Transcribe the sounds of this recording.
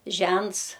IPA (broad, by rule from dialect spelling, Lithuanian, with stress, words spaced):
ˈʒʲɛnts